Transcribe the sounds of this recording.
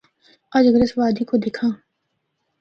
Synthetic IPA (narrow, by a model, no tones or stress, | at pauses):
ɐd͡ʒɡɾɪsʋaːd̪ikod̪ekʰãː